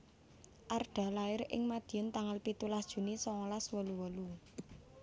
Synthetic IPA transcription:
ʔarɖ̥a̤laɪɾɪ̰ŋmad̪̥i̤jɔnt̪aŋalpit̪ulasd̥ʒ̥ṳnisɔŋɔlaswɔluwɔlu

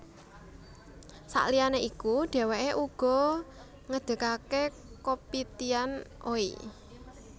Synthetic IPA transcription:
sa̰ʔlianeʔikuɖ̥e̤weʔeʔuɡ̥ɔ̤ | ŋəd̪̥ə̤kake | kopit̪ianʔo̰ḭ

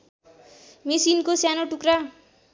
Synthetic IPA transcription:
mesinkosjanoʈukra

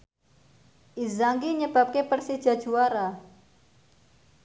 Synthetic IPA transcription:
ʔizaŋɡiɲəb̥a̤p̚kepərsid̥ʒ̥a̤d̥ʒ̥uaɾa

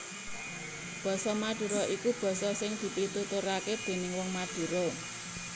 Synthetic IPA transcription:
b̥ɔ̤sɔmad̪̥ṳɾɔʔikub̥ɔ̤sɔsɪŋd̪̥i̤p̪it̪ut̪uɾaked̥e̤nɪŋwɔŋmad̥ṳɾɔ

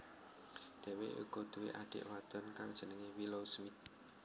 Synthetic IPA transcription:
d̪̥ɛ̤wḛṵɡ̥ɔ̤d̪̥uwḛʔaɖ̥ɪ̰ʔwad̪̥ɔnkaŋd̥ʒ̥ə̤nəŋewilosmit̪̚

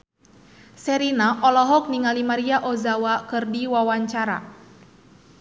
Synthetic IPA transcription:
sɛɾinaʔɔlɔɦɔk̚niŋalimaɾiaʔɔzawakɨrdiwawaɲt͡ʃaɾa̰

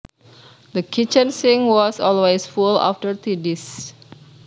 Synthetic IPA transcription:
d̪əkʰit͡ʃə̃nsĩŋwɔsɔlwesfula̰ftəɹt̪idis

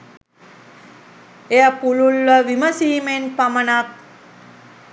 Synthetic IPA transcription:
ejəpululʋəʋiməsiːmenpamənak̚

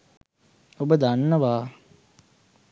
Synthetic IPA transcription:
obəd̪anːəʋaː

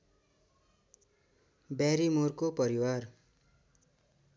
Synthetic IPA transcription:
baɾimorkopʌɾiwar

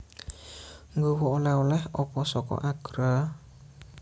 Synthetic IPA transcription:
ŋɡuwuolɛulɛhɔpɔsɔkɔ̰ʔaɡ̥ɾə

